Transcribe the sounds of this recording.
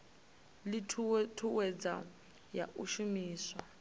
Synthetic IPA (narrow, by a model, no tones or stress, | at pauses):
lɪtʰuwɛd͡za̰ | ja̰ʔuʃumiːswa